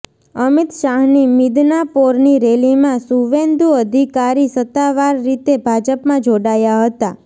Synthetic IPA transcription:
əmɪt̪ʃaɦnimid̪napoɾniɾelimãsuʋend̪uəd̪ʱikaɾisət̪ːaʋaɾːit̪ebʱad͡ʒəpmãd͡ʒoɽajaɦət̪a

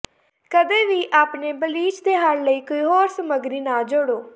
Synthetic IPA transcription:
kəd̪eːʋiːʔaːpneːbəliːd͡ʒd̪eːɦənləiːkoːiːɦoːɾsəməɡɾiːnãːd͡ʒoɽoː

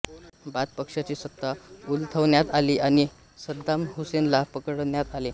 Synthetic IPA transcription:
bad̪̚pəkʂat͡ɕiːsət̪ːault̪ʰəʋɳjat̪aliːaɽ̃i | səd̪ːamɦusenlapəkəɽɳjat̪ale

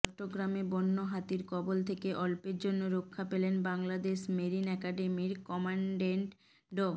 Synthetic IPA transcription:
kʈːoɡɾamebɔnːoɦat̪iɾkɔbolt̪ʰekeʔɔlpeɾd͡ʑonːoɾokʰːapelenbaŋlad̪eʃmeɾinɛkaɖemiɾkɔmaɳɖeɳʈ | ɖo

